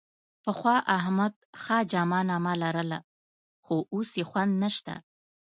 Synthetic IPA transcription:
pəxwɑʔaɦmad̪̚xɑd͡ʒɑmɑnɑmalaɾəla̰ | xoʔosjexwand̪naʃt̪a̰

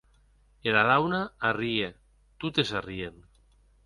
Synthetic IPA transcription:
elaðawnaarie | t̪ut̪esarien

